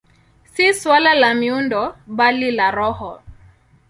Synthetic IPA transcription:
siswalalamiundɔɓalilaɾɔhɔ

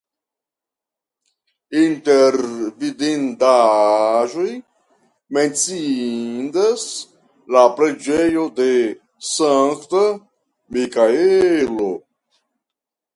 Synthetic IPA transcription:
inteɾvid̪end̪a | ʒoj | ment͡sindas | lapɾed͡ʒejod̪e̞ | saŋkt̪a | mikaelo

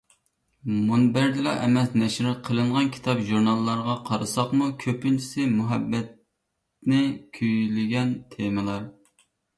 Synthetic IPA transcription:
munbæɾd̪ɪlɑʔɛmɛsnɛʃɾqʰəlˠɨɴʁɑnkʲʰi̥t̪ʰɑpʒuɾnɑlˠːɑɾʁɑqʰɑɾɨsɑχmukʲʰøpynt͡ʃʰi̥sɪmuɦɛbːɛt̪̚ | nɪkʲʰyjlɪɡʲɛnt̪ʰemɨlˠɑɾ

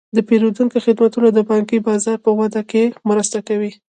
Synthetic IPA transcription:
d̪əpeɾod̪uŋkoxɪd̪mat̪unad̪əbɑŋkibɑzɑɾpəwad̪akemɾəst̪akawi

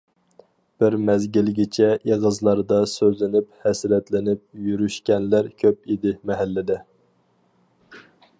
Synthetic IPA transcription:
b̥ɪɾmɛzɡʲilɡʲit͡ʃʰɛʔeʁəzlˠɑɾd̪ɑsøzlɪnɪphɛsɾɛt̪lɪnɪp̚jyɾyʃkʲɛnlæɾkʲʰøpid̪ɪmɛɦælːɪd̪ɛ

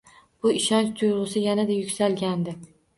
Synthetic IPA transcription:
b̥ʊɪʃɒnt͡ʃt̪ʰʊjʁɨsɪjanad̪ajʊkʲsalɡʲand̪ɪ

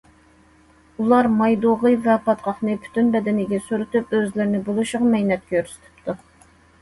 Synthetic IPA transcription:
ulˠɑɾmɑjd̪oʁɨvɛpʰɑt̪qʰɑχnɨpʰy̥t̪ʰynbɛd̪ɪnɪɡʲɛsuɾut̪ypøzlɪɾnɪbolˠuʃʊʁɑmɛjnɛt̪̚kʲøɾsy̥t̪ʰy̥p̚t̪ʰu

